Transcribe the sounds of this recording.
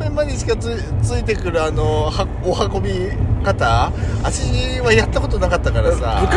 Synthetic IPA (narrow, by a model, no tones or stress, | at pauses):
emːaɲ̟it͡ɕi̥ka | t͡sɨit̪̬e̞kɯ̟ɾɯ̟ano̞haːhako̞bʲi | kat̪aːɕiiβajat̪ːako̞t̪o̞nakat̪ːakaɾasa̰